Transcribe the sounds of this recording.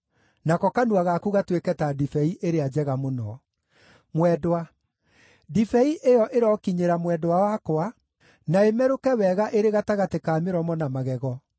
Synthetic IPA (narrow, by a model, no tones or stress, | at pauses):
nakɔkanuaɣakuɣatwekɛtadifɛiʔeɾead͡ʑɛɣamonɔ̰ | mwɛdwa | difɛiʔejɔʔeɾɔkiɲeɾamwɛdowawakoa | naemɛɾokɛwɛɣaʔeɾeɣataɣatekaːmeɾɔmɔnamaɣɛɣɔ